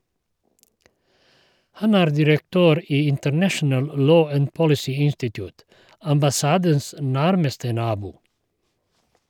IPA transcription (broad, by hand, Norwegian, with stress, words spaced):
ˈhɑn ˈæːɾ dɪɾəkˈtøːɾ ˈiː ɪntəɾˈnæʃn̩əl ˈloː ˈæn ˈpɔlɪsiː ˈɪnstɪtjʊːt ɑmbɑˈsɑːdəns ˈnæɾməstə ˈnɑːbuː